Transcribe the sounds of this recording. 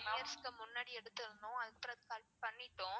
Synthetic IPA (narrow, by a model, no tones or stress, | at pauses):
mɐjɐɾskɐmʊnːaːɽiɛɽɯt̪ːɪɾɯnd̪ʊ̃ɐðɯpːɪɾɐðɯkɐlppɐɳːɪʈːʊ̃